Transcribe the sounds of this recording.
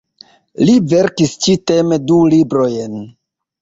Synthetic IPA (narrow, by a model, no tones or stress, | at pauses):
live̞ɾkist͡ʃite̞medulibɾo̞jen